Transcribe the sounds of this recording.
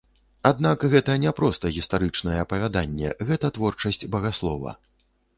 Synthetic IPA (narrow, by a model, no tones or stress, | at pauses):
ad̪nakɣɛt̪ɐnʲɛpɾɔst̪ɐɣʲist̪aɾɨt͡ʂnɐjɛɐpɐvʲad̪anʲːɛ̰ɣɛt̪ɐt̪vɔrt͡ʂɐsʲt͡sʲbɐɣaslˠɔvɐ̰